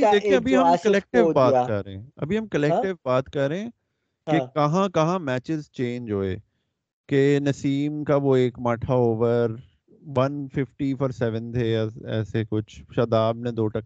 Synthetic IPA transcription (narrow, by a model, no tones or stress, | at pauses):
d̪eːiẽɐbʱiɦɐmkɐlɛːk̚ʈɪʋbaːt̪kɐɾɾeẽɐ̰bʱiɦɐmkɐlɛːkʈɪʋbaːt̪kɐɾɾeẽ | kekɐɦãkɐɦãmɛːt͡ʃɪzt͡ʃẽːɲd͡ʒɦoːḛː | kenɐsiːmkaʋoeːkmaːʈʰaoːʋəɾ | ʋɐnfɪfʈifɔɾsɛʋə̃nt̪ʰejaɛ̰ːsekʊt͡ʃʰʃɐd̪aːb̚nẽd̪oːʈɐk